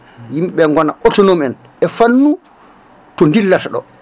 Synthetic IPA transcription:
jimɓɛŋɡɔnaʔɔtɔnomɛn | ɛfanːu | tɔndilːataɗɔ

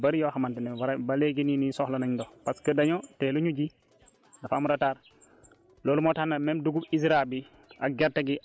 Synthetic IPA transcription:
bɐɾjoːxamanteneaɾbaleɡininisɔhlɐnaɲdopaskədaɲotɛluɲuɟi | nafamuɾataːɾ | loːlumoːtanːamemduɡubisɾabi | aɡɛɾtaɡi

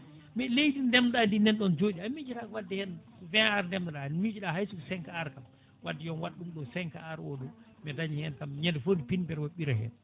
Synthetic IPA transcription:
mɛlejdindɛmdandinɛnɗɔnd͡ʒoɗiamid͡ʒiɾakɔwadːɛhɛn | vɛ̃aɾndɛmdaɗanmid͡ʒiɗahajsukɔsɛŋkaaɾkam | wadːɛjɔnwaɗːumɗɔsɛŋkaaɾwɔɗɔ | mɛdaɲihɛnkamɲɛndɛfondipinbɛɾwaɓiɾaɦɛ̰n

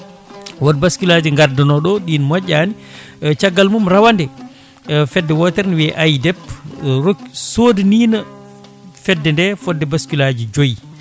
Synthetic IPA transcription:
wɔdbaskulad͡ʒiŋɡadɔnɔɗɔɗinmɔɟʲːani | t͡ʃaɡːalmumɾawandɛ | fɛdːɛwɔtɛɾniwɛʔajdɛpɾosodiniːna | fɛdːɛndɛfɔdːɛbaskulad͡ʒid͡ʒoj

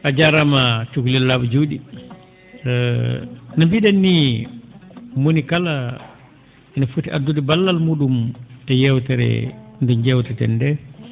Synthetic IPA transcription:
ʔad͡ʒaɾamat͡ʃukulɛlːabud͡ʒuɗi | namfiɗanːi | monikala | ʔɛnafutiʔadːuɗibalːalmuːɗumtɛjɛwtɛɾɛ̰ndɛnd͡ʒɛwtɛtɛ̰ndɛ

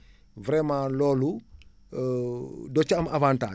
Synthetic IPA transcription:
vɾɛmãːlɔːlu | dɔt͡ʃɐmavãːnta̰ː

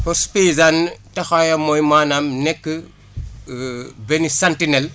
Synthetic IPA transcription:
pɔɾspizantɐxajɐmojmaːnamnɛkːə | benisantinel

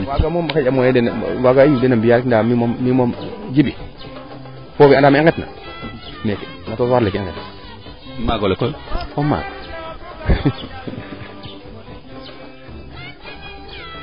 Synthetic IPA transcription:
waɡamombakad͡ʒamojedenwaɡajudenambijaɾkindamimomːimomd͡ʒibi | fofiandamŋketna̰ | meknatoswalekːŋɡḛtna | maɡolekokoma̰ɡo

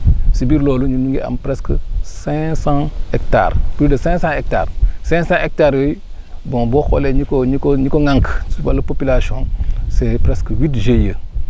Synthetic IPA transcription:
sibiɾloːluɲunuŋɡea̰mpɾeskəsɛ̃sãekta̰ɾpidəsɛ̃sãek̚ta̰ɾsɛ̃sãʔek̚taɾwej | bõboxoleɲikoɲikoɲikoŋãŋksubaləpopilasõsepɾeskəwitʒejə

